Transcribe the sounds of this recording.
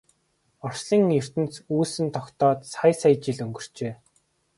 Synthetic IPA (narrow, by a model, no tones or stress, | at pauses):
ɔr̥sɮiːŋɵr̥t̪ɘ̆nt͡suːsɘ̆nt̪ʰɔkt̪ɔːt̪sajsajt͡ɕiɮɵŋɡɵ̆r̥t͡ɕeː